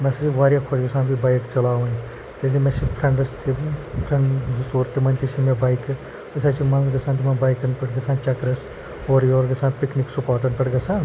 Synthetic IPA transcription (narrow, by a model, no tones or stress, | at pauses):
mesɐiʋaːɾjakʰod͡ʒɡɐsãːnbibajkt͡ʃɐlaːʋɐn | t̪elimesipʰɾeɳɖɐst̪ipʰɾeɳɖsuːɾt̪ːimɐnʲt̪isimẽbɐjk | k̪ɐsat͡ʃimɐnsɡɐsãnt̪imɐnbajkɐnpɐʈɡɐsãːnt͡ʃɐkɾɐs | oːɾjoːɾɡɐsãːnpikniksupaːʈɐnpʲɐʈɡɐsãːn